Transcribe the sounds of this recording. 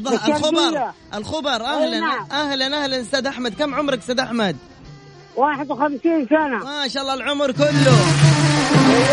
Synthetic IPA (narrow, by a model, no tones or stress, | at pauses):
ɑalxʊbɑɾˤʔɪlxʊbɑɾˤʔahlanʔahlanʔahlanɪst̪aːd̪ʔaħmad̪̚kamʕʊmɾˤɪksaːd̪ʔaħmad̪̚ | waːħɪd̪wxamsiːnsanamaʃaːʔlˤːɑːlʕʊmɾˤkʊlːʊ